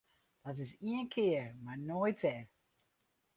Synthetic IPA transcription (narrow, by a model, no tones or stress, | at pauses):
d̥ɑtɪsiənkʰɪːəɹmaːɹnojtvɛɹ